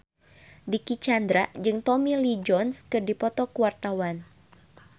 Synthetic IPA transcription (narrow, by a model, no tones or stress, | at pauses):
dikit͡ʃand̪ɾad͡ʒɨŋt̪ɔmilid͡ʒɔnskɨrdipɔt̪ɔkuwart̪awan